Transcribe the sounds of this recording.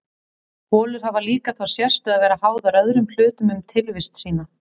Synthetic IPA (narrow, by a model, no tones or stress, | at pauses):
hɔːlʏɾ̥havaliːkaθwawsjɛr̥st̪ʏaðvɛːɾahaːwðaɾœðɾʏml̥ʏːt̪ʏmʏmt̪ʰɪlvɪst̪siːna